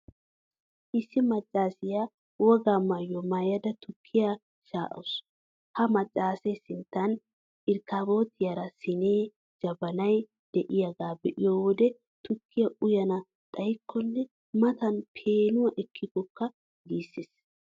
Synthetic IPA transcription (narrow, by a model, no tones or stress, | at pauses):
ʔɪsːɪmɐt͡ʃʼːaːsɪja | wɔɡamɐjːɔmɐjɐd̪ɐt̪ʊkʰːɪja | ʃaːʔɐ̰s | hɐmɐt͡ʃʼːaːsɛjsɪnt̪ːɐn | ɪɾkːaːbo̞ːt̪ːɪjɐɾɐsɪneː | d͡ʒɐbɐnɐj | d̪̥ɛʔɪjɐɡaːbɛʔɪjoːwɔd̪ɛ | t̪ʊkʰːɪjɐʔʊjɐnɐ | t̪ʼɐjkʰːɔnːɛ | mɐt̪ɐnpʰeːnʊwɐʔɛkʰːɪɡɔkːɐ | ɡiːsːɪs